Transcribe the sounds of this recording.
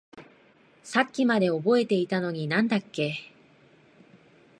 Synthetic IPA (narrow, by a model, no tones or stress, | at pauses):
sakʲːimad̪e̞o̞bo̞e̞t̪e̞it̪ano̞ɲ̟inãnd̪akːe̞